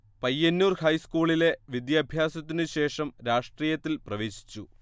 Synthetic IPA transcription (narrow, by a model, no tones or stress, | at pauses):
pɐjːɐnːuːrhɐjskuːɭile̞ʋid̪jɐbʱjaːsɐt̪ːinɨɕe̞ːʂɐmɾaːʂʈriːjɐt̪ːilprɐʋe̞ːɕi̥t͡ɕːu